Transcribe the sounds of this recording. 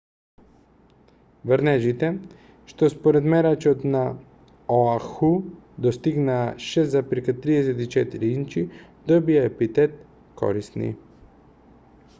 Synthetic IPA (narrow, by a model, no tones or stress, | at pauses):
vɾnɛʒit̪ɛ | ʃt̪ɔspɔɾɛd̪mɛɾat͡ʃot̪na | oaxu | d̪ɔst̪iɡnaːʃɛst̪zapiɾkat̪ɾiɛsɛt̪it͡ʃɛt̪iɾiint͡ʃid̪ɔbiaɛpit̪ɛt̪ | kʰɔ̰ɾisnḭ